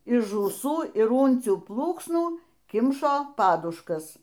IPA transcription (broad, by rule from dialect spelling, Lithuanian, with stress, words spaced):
ɪʃ ʒuːˈsuː ɪr ˈuːnʲt͡sʲuː ˈplˠuːksnuː ˈkʲɪmʃoː ˈpɑːdʊʃkɐs